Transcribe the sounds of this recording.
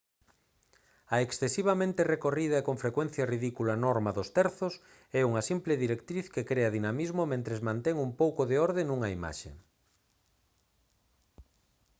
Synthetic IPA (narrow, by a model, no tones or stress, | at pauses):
ɐeksθesiβ̞ɐmẽnt̪ɪerekoriðɐɛkoŋfɾekwɛn̟θjɐriðikulanɔɾmɐðʊst̪ɛɾθʊs | ɛuŋɐsimpleðiɾekt̪ɾiθkekɾeaðinamizmomẽnt̪ɾezmãnt̪ɛŋumpowkoðeɔɾðeŋuŋɐima̰ʃḛ